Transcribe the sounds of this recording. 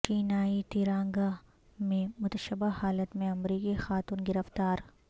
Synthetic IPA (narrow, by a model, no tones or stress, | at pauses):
t͡ʃiːnaːit̪iːɾãːŋɡa | mẽmʊt̪əʃəbahaːlət̪mẽɐmɾiːkixaːt̪uːnɡɪɾəft̪aːɾ